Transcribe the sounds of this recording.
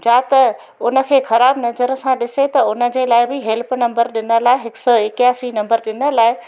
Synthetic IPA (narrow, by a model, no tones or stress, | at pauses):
d͡ʑaːt̪ɐ | ʊnə̆kʰeːxɐɾaːbnɐzəɾsãɗɪset̪ɐʊnə̆d͡ʑeːlaːɪbɪɦɛlpnɐ̃mbəɾɗɪnəlaːɪɦɪksɔɪkjaːsinɐ̃mbəɾɗɪnə̆laːɪ